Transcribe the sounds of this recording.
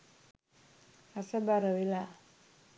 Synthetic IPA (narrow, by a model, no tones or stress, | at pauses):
asabaɾawila